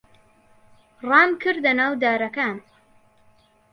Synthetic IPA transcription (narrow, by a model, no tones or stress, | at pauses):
rɑːmkʰɨɾd̪ɐnaːwd̪aːɾɐkaːn